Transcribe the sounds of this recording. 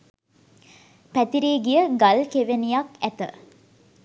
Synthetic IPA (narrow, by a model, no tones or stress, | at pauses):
pæt̪iɾeːɡijəɡalkeʋenijakæt̪ə̰